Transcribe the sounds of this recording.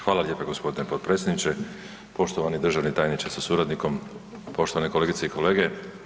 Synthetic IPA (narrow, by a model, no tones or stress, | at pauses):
xʋaːlalje̞ːpaɡo̞spo̞d̪inepod̪̚pɾe̞tsʲjed̪nit͡ʃe | po̞ʃt̪oʋanid̪r̩ʒaʋnit̪aːjnit͡ʃasasuɾad̪niko̞m | po̞ʃt̪o̞ʋaneko̞leɡit̪se̞ikʰo̞le̞ːɡe̞